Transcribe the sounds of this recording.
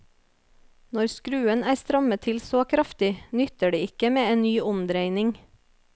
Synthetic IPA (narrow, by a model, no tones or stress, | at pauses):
nɔɾskɾʉːənæːɾst̪ɾɑmət̪ʰɪlsoːkʰɾɑft̪ɪnʏt̪əɖiːɪkəmeːeːnnyːʔʊmd̪ɾeɪnɪŋ